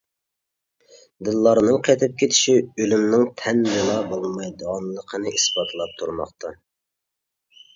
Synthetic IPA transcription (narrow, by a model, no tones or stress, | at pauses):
d̪ɨlˠːɑɾnɨŋqʰɛt̪ʰɪp̚kʲʰet̪ʰɪ̥ʃiølymnɪŋt̪ʰɛnbelˠɑbolˠmɑjd̪ʁɑnlˠəqʰənɨʔisbɑːt̪ʰɨlˠɑp̚t̪ʰuɾmɑ̰χt̪ʰɑ